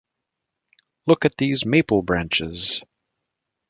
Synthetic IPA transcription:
lʊkɨt̪̚ðizmeɪpl̩ˠbɹæ̃nt͡ʃɪz̥

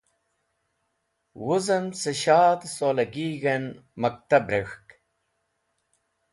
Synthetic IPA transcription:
wuzɐmseɕaːd̪solɐɡiːɣenmɐk̚t̪ɐbɾexk

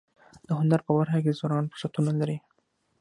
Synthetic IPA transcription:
d̪̥əɦʊnd̪aɾpəbaɾxakezwɑnɑnpəsat̪unalaɾi

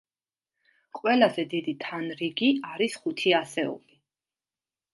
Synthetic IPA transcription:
qʼwɛlazɛd̪id̪it̪ʰanɾiɡiaɾisχut̪ʰiasɛɔ̰li

